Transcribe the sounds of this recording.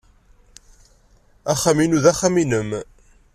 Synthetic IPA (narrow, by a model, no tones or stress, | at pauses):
æχːaminuðæχːaminəm